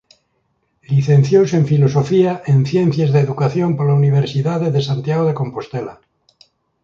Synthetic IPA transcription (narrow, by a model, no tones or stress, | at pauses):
liθẽn̟θjowse̞ɱfilo̞sofiaʔenθjen̟θjezðeːðukaθjompolauniβ̞eɾsiðaðeðesant̪jaɣ̞oð̞ekõ̞mpo̞st̪ela